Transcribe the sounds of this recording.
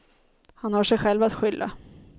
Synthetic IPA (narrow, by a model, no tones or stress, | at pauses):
hanhaʂɛjɧɛlvat̪ɧʏlːa̰